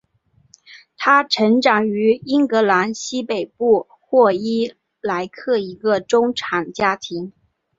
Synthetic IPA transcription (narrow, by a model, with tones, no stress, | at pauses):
t̪ʰa˥ʈ͡ʂʰɤ˧˥ŋʈ͡ʂɑ˨˩ŋy˧˥i˥nkɤ˧˥la˧˥nɕi˥pe˨˩ɪpu˥˧ | xwɔ˥˩i˥ | la˧˥ɪkʰɤ˥˩i˧˥ɡə˧ʈ͡ʂʊ˥ŋʈ͡ʂʰa˨˩nt͡ɕja˥t̪ʰi˧˥ŋ